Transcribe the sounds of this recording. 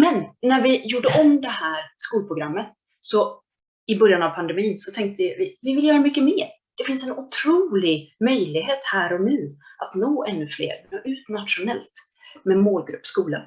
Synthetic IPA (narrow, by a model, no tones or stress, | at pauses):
mɛnːæɾvɪjuːɖəʔɔmd̪ɛhæːɾskuːlpʰɾʊɡɾamːət̪ | sɔ | ɪbœɾjanavpʰand̪ɛmiːnsɔt̪ʰɛŋk̚t̪əjavɪvɪvɪljœːɾamʏkːəmeːɾ | d̪̥ɛfɪnsɛnʊt̪ʰɾuːlɪɡmœjlɪɡɦeːt̪hæːɾɔnʉ̟ːʔat̪noːʔɛnːɵflḛːɾmɛnoːʔʉ̟ːt̪nat̪ʂʊnɛlt̪ | mɛmoːlɡɾɵpːskuːla